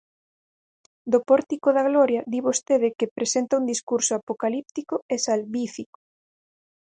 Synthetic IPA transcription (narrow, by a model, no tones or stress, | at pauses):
d̪opɔɾt̪ikoðaɣlɔɾjɐðiβost̪eðɪkɪpɾesent̪ɐund̪iskuɾsʊapokalip̚t̪ikʊesalβifikʊ̥